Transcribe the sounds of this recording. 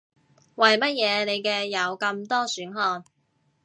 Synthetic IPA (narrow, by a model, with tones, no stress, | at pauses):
wɐ˨jmɐ˥t̚jɛː˨˧ne˨˧jkɛː˧jɐ˨˧wkɐ˧mt̪ɔː˥syː˨˥nɦɔː˧n